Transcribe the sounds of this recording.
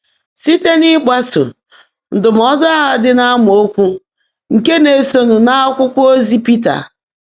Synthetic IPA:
si˦te˦ni˦ɡ͡ba˦so̰˨ | n̩˨dʊ˨m̩˨ɔ˦da˦ɦa˦dɪ˦na˦m˨o˦kʷu˦ | ŋ̩˨ke˦ne˨so˦nu˨na˦kʷʊ˦kʷo˦zi˦pi˦ta̰˨

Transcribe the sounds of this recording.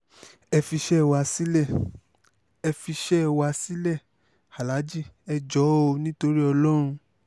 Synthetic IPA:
ɛ˧fi˧ʃɛ˦ɛ˧wa˧si˦lɛ˦˨ | ɛ˧fi˧ʃɛ˦ɛ˧wa˧si˦lɛ˦˨ | ha˨la˨˦d͡ʒi˦˨ɛ˧d͡ʒɔ˨˦o˧nĩ˦to˧ɾi˦ɔ˧lɔ˦ɾ̃ũ˧

